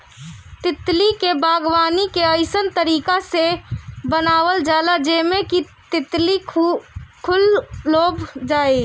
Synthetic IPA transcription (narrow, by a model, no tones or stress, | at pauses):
t̪ɪt̪likebaːɡwaːnikeəɪsənt̪əɾiːkasebənaːwəld͡ʒaːlad͡ʒeːmẽki | t̪ɪt̪li | kʰʊlːoːbd͡ʒaːe